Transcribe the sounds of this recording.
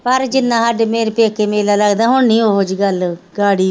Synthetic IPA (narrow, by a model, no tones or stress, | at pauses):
pəɾd͡ʒɪnːãːɦəɖmeːɾpeːkeːmeːlaːləɡd̪aːɦʊɳnĩːoɦod͡ʒɡəlɡaːɽiː